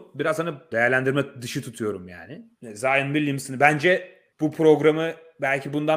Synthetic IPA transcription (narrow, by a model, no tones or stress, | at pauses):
biɾazhanɯd̪ejæɾlʲænd̪iɾmɛd̪ɯʃɯt̪ʰut̪ʰujo̞ɾumja̰ːnɪ | zaːjɯnbilʲːimsinibænd͡ʒɛ | b̥upʰɾo̞ɡɾamɯ | bælʲcʰibund̪a